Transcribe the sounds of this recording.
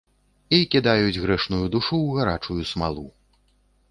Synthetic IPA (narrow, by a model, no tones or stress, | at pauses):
ikʲid̪ajud͡zʲɣɾɛʂnujud̪uʂuwɣaɾa̰t͡ʂujusma̰lˠṵ